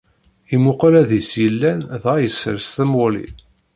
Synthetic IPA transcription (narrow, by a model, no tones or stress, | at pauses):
imʊqlæðisjəlːænðʁæjəsə̰ɾst̪əmʊlḭ